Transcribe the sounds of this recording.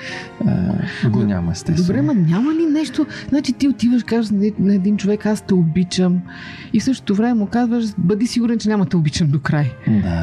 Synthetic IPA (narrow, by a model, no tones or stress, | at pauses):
ə̰ɡoɲʲa̰mɐ̰st̪ɛd̪obɾɛmɐɲʲamɐlinɛʃt̪oznat͡ʃit̪iot̪ivəʃkaʒnnɐɛd̪int͡ʃovɛkast̪ɐobit͡ʃəm | ifsɤʃt̪o̥t̪ovɾɛmɛmokazvəʃbəd̪isiɡʊɾɛnt͡ʃɛnʲamɐt̪ɐobit͡ʃəmd̪okɾajd̪a̰